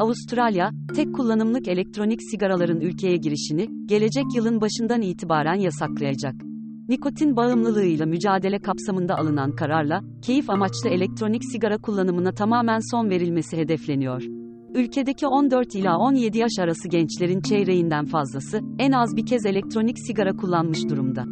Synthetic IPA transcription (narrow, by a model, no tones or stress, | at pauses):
aust̪ɾalʲja | t̪ʰɛkkʰːulˠːanɯmlˠɯke̞lʲɛc̚t̪ʰɾo̞nicsiɡaɾalˠaɾɯnylʲcʰe̞jɛɟiɾiʃiniɟ̥e̞lʲe̞d͡ʒɛcjɯlˠɯnbaʃɯnd̪aniːt̪ʰibaːɾænjasaklˠajad͡ʒak̚ | niko̞t̪ʰinbaɯmlˠɯlˠɯɯjlˠamyd͡ʒaːd̪e̞lʲɛkʰapsamɯnd̪aʔalˠɯnankʰaɾaɾlˠa | cʰe̞jifamat͡ʃlˠɯe̞lʲɛc̚t̪ɾo̞nicsiɡaɾakʰulˠːanɯmɯnat̪ʰamaːmænso̞nve̞ɾilʲme̞siɦe̞d̪ɛflʲe̞nijo̞ɾ̥ | ylʲcʰe̞d̪e̞cʰio̞nd̪øɾt̪ilʲao̞nje̞d̪ijaʃaɾasɯɟɛnt͡ʃlʲe̞ɾint͡ʃʰejɾejind̪ænfazlˠasɯænazbicʰɛze̞lʲɛc̚t̪ɾo̞nicsiɡaɾakʰulˠːanmɯʃd̪uɾumd̪a